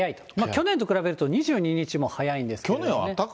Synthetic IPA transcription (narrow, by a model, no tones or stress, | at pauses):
jait̪omakʲo̞nẽ̞nt̪o̞kɯ̟ɾabe̞ɾɯ̟t̪o̞ɲ̟iʑɨːɲ̟iɲ̟it͡ɕimo̞hajaĩnd̪esɨ̥kʲonẽa̰t̪ːak